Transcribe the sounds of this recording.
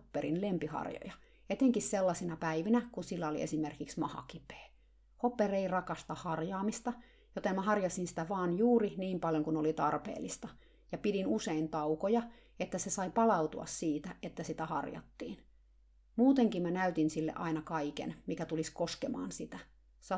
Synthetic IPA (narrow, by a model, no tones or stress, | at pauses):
pːeɾinlempihɑ̰rjo̰jɑ | et̪eŋkisselːɑsinɑpæiʋinækusilːæolḭʔḛsimerkiksmɑhɑ̰kipe̥ː | hopːereirɑkɑst̪ɑhɑrjɑːmist̪ɑ | jot̪emmæhɑrjɑsinsi̥t̪æʋɑːnjuːriniːmpɑljoŋkunolit̪ɑrpḛːlːist̪ɑ | jɑpidinuseint̪ɑukojɑ | et̪ːæsesɑipɑlɑut̪uɑ̰ssiːt̪æet̪ːæsit̪æhɑ̰rjɑ̰t̪ːḭːn | muːt̪eŋkimænæyt̪insilːḛʔɑinɑkɑikḛnmikæt̪uliskoskemɑ̰ːnsit̪æ | sɑ